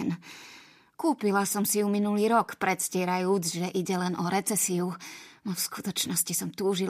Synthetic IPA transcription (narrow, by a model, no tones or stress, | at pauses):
n | kuːpilasɔmsijuminuliːɾɔkpɾɛt̪scɪɛɾajuːd͡zʒɛʔiɟɛlɛnʔɔɾɛt͡sɛsiunɔfskut̪ɔt͡ʃnɔscisɔmt̪uːʒi